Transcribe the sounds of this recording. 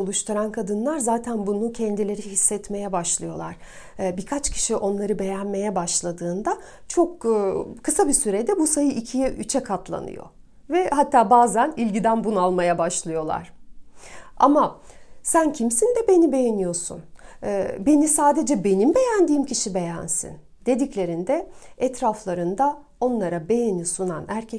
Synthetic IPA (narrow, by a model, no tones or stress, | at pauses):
ulˠuʃt̪ʰuɾankʰad̪ɯnlˠaɾzaːt̪ʰænbunucʰɛnd̪ilʲe̞ɾiɦisːɛt̪me̞jɛbaʃlˠɯjo̞lˠaɾ̥ | bikʰat͡ʃcʰi̥ʃiʔo̞nlˠaɾɯbe̞jænme̞jɛbaʃlˠad̪ɯːnd̪a | t͡ʃʰo̞kːkʰɯsabisyɾed̪ɛbusajɯʔicʰijɛʔyt͡ʃʰɛkʰat̪ʰlˠa̰nɯ̰jo̞̰ | vɛhat̪ʰːaːbaːzænilʲɟid̪ænbunalˠmajabaʃlˠɯjo̞lˠa̰ɾ̥ | a̰masæncʰimsind̪ɛbe̞nibe̞jenijo̞sṵn | be̞nisaːd̪e̞d͡ʒɛbe̞nimbe̞jænd̪iːmciʃibe̞jæ̰nsḭn | d̪̥e̞d̪iclʲe̞ɾind̪ɛɛt̪ɾaflˠaɾɯnd̪a | o̞nlˠaɾabe̞jenisunanæɾcʰɛ